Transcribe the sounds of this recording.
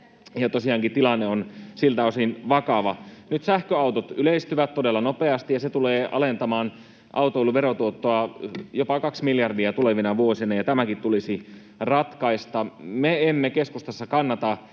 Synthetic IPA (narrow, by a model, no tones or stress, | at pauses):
jɑt̪osiɑːŋkit̪t̪ilɑnːeonsilt̪æosinʋɑkɑʋɑnyt̪sæhkøɑuwt̪ot̪yleist̪yʋæt̪t̪odelːɑnopeɑst̪ijɑset̪uleːʔɑ̰lent̪ɑmɑːn | ʔɑ̰ut̪oiluʋeɾot̪uot̪ːoɑjopɑkɑksmiljɑrdiæt̪uleʋinɑʋuosinɑjɑt̪æmækit̪t̪ulisi | rɑt̪kɑist̪ɑmeemːekeskust̪ɑsːɑkɑnːɑt̪ɑ